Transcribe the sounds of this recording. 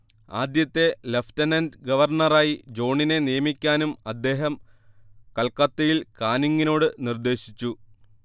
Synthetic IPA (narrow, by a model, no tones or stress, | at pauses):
a̰ːd̪jɐt̪ːe̞leftɐnɐndɡɐʋɐrɳɐraːjid͡ʑo̞ːɳine̞nijɐmikʲːaːnumɐd̪ːe̞ːɦɐm | kɐlkɐt̪ːejilkaːniŋɡino̞ːɽɨnird̪e̞ːɕit͡ɕːu